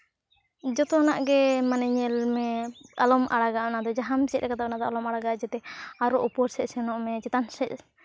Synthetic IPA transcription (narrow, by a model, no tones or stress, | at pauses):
d͡ʒɔt̪ɔnaʔɡɛmanɛɲɛlmɛalɔmʔaɽaɡaʔnad̪ɔd͡ʒaɦamt͡ʃɛt̪̚ɾɛkat̪aʔnad̪ɔʔalɔmaɽaɡaʔd͡ʒɛt̪ɛaɾɔʔupɔɾsɛc̚sɛnɔʔmɛt͡ʃɛt̪ansɛc̚